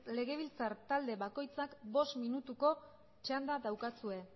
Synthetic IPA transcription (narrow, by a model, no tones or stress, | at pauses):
le̞ɣe̞β̞ilt͡sart̪ald̪e̞βako̞jt͡sakbo̞st̪minut̪uko̞ | t͡ʃand̪aðawkasue̞